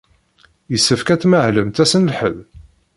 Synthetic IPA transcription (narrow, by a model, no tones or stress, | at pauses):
jəsːəfkæt͡sːməʕləmt̪æsənəlħə̰ð